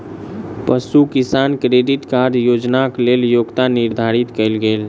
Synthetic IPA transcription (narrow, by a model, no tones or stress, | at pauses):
pəsukisankɾeɖiʈkaɾd͡ʒjod͡ʒnakleljoɡt̪aniɾd̪ʱaɾit̪kəɪlɡel